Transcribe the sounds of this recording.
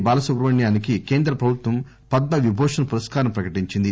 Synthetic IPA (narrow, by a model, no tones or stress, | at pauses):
baːlɐsɐɡɾɐʋɐɳjaːnikikeːnd̪ɾɐpɾɐbʱut̪ʋɐm | pɐd̪ːɐʋibʱɔːʂɐnɐpuɾɐskaːɾɐmpɾɐkɐʈiɲt͡ʃind̪i